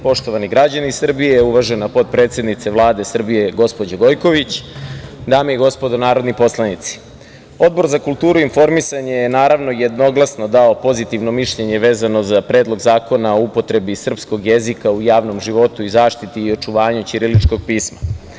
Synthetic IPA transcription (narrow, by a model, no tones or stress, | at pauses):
po̞ʃt̪oʋaniɡɾad͡ʑanisr̩bijeuʋaʒe̞napo̞t̪̚pɾe̞ːt̪se̞d̪nit̪seʋlˠaːd̪e̞sr̩bije̞ɡo̞spo̞d͡ʑaɡo̞jko̞ʋit͡ɕ | d̪aːmijeɡo̞spo̞d̪onaːɾo̞d̪nipo̞slˠanit̪si̥ | o̞d̪̚bo̞ɾzakulˠt̪uːɾuinfo̞ɾmisaɲejenaːɾaʋno̞jed̪no̞ɡlˠasno̞d̪ao̞po̞zit̪iʋno̞miʃʎe̞ɲe̞ʋe̞ːzano̞zapɾe̞ːd̪lˠo̞ɡzaːko̞nao̞upo̞t̪ɾe̞bisr̩psko̞ɡjezikaujaːʋno̞mʒiʋo̞t̪uizaːʃt̪it̪iːo̞t͡ʃuʋaːɲut͡ɕiɾilit͡ʃko̞ɡ̚piːsma̰